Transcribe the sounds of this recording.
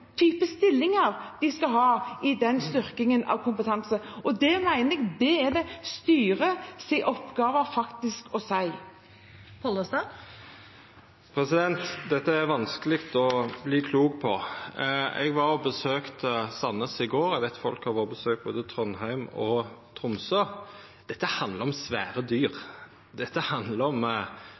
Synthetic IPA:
t̪ʰyːpəst̪ɪlːɪŋəɾd̪̥ɪskɑɦɑːɪd̪ɛnst̪ʏɾkɪŋənʔɑ̰ʋkʰʊmpət̪ʰɑnsəɔd̪ɛmæɪnəɛɡd̪ɛɛd̪ɛst̪yːɾəsɪʔɔpɡɑːʋəɾfɑkt̪ɪskɔsæɪ | pʰɔləsɑ | pʰɾɛsɪd̪ɛnt̪d̪ɛt̪ːəæɾʋɑnskəlɪkt̪ɔbliːkʰluːk̚pʰɔ | ɛ̰ɡʋɑbəsøːkt̪əsɑnːəsɪɡoːɾɛɡʋæɪt̪fɔlkhɑʋɑbəsøːk̚t̪̚boːd̪ət̪ʰɾɔnɦæɪmɔt̪ʰɾʊmsøː | d̪̥ɛt̪ːəhɑnd̪ləɾɔmsʋæːɾəd̪yːɾ | d̪̥ɛt̪ːəhɑnd̪ləɾɔm

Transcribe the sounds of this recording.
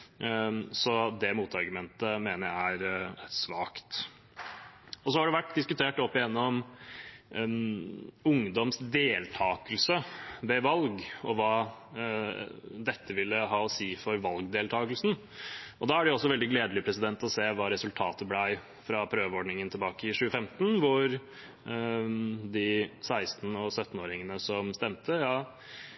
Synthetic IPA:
sɔd̪ɛmuːt̪ɑɾɡʉmɛnt̪əmeːnəɾæɪæɾsʋɑːkt̪ | ɔs̬ɔhɑɖɛʋæʈːd̪ɪskʉt̪ʰeːʈɔpːɪjɛnːɔɔm | ʊŋd̪ɔmsd̪eːlt̪ʰɑːkəlsəʋɛʋɑlɡɔʋɑː | d̪ɛt̪ʰːəʋɪlːəɦɑːɔsiːfɔɾʋɑlɡd̪eːlt̪ʰɑːɡəlsn̩ | ʔɔd̪ɑːæɖɛɔsːɔʋɛld̪ɪɡleːd̪əlɪpʰɾɛsɪd̪ɛnt̪ɔseːʋɑːɾɛsʉlt̪ʰɑːt̪əblæɪ | fɾɑpʰɾøːʋəɔɖɳɪŋənt̪ʰɛbɑːkəɪʂʉːəfɛmt̪nʋʊɾ | d̪ɪsæɪst̪n̩ɔsœt̪ːn̩oːɾɪŋənəsɔmst̪ɛmt̪ʰəjɑː

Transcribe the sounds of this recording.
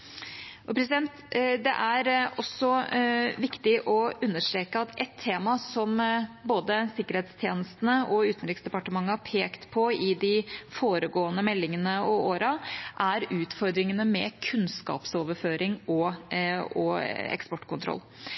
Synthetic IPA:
ʔɔpʰɾɛs̬ɪd̪ɛnt̪d̪ɛ̰ʔæɾɔsːɔʋɪkt̪ɪʔɔʉnːəʂʈɾeːkəɑt̪ɛt̪ʰːeːmɑsɔmboːd̪əsɪkːəɾheːt̪st̪ʰjeːnəst̪ənəʔɔʉːt̪nɾɪksd̪ɛpɑʈəmɑŋːəɑpʰeːkt̪pʰɔɪd̪ɪfoːɾəɡoːənəmɛlːɪŋənəɔoːɾɑʔæɾʉːt̪fɔɾd̪ɾɪŋənəmɛkʰʉnskɑ̰ːpsoːʋəɾføːɾɪŋɔ | ɔɛ̰kspɔʈːkʰʊnt̪ɾɔ̰lː

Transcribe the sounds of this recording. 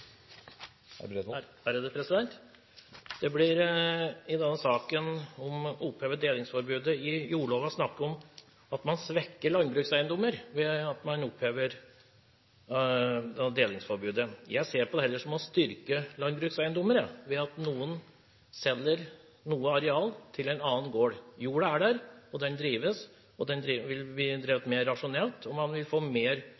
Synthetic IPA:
æɾəd̪əpʰɾɛsɪd̪ɛnt̪ | d̪̥ɛblɪɾ | ɪd̪ɛnːəsɑːkənɔmʊpːheːʋəɖ̪eːlɪŋsfɔɾbʉːd̪əɪjuːɭoːʋɑsnɑkːəɔm | ɑt̪mɑnsʋɛkːəɭɑnbɾʉːksæɪənd̪ɔmːəɾʋɛɑt̪mɑnɔpheːʋəɾ | d̪eːlɪŋsfɔɾbʉːd̪əjæɪseːɾpɔd̪ɛhɛlːəʂɔmɔst̪ʏɾkəlɑnbɾʉːksæɪənd̪ɔməɾəʋɛɑt̪nuːən | sɛlːəɾ | nuːəɑɾɛɑːlt̪ʰɪlɛɪnɑːənɡoːɽjuːɽəæɖæɾɔd̪ɛnd̪ɾiːʋəs | ɔd̪ɛnd̪ɾʋɪlb̪iːd̪ɾiːʋət̪meːɾːɑʂʊnɛlt̪ʰɔmɑnʋɪlfoːmeːɾ

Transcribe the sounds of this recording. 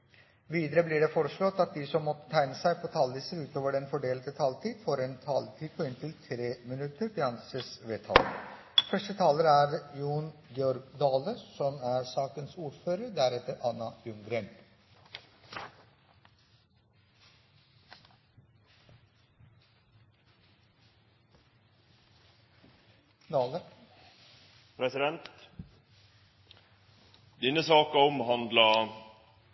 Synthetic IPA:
ʋiːd̪əɾəbliːɖɛfɔːɾəʂɭɔt̪ɑt̪̚d̪isɔmːɔt̪ːə̥t̪ʰæɪnəsæɪpʰɔt̪ʰɑlːisəɾʉːt̪oːʋəɖɛnfɔɖeːlət̪ət̪ʰɑlt̪ʰiːd̪̥foɾɛnt̪ʰɑːlt̪ʰiːd̪pʰɔɪnt̪ʰɪlt̪ʰɾeːmɪnʉt̪ːəɾpɪɑnsəsʋeːt̪ʰɑ̰ːlə̰ | fœʂʈət̪ʰɑːləɾæɾjuːnɡɛɔɾɡd̪ɑːləsɔmæɾsɑːkənsuːɾføːɾəɾɖ̪æɾɛt̪ːəɾʔɑnːɑʉŋɡɾeːn | ə | pʰɾɛsɪd̪ɛnt̪ | d̪ɪnəsɑːkəɔmɦɑnd̪lɑ

